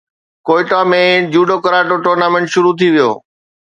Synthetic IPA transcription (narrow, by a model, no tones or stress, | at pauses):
koːɪʈamẽd͡ʑuːɖokɐɾaːʈoʈoːɾnaːmẽɳʈʃʊɾut̪ʰiʋijo̰ː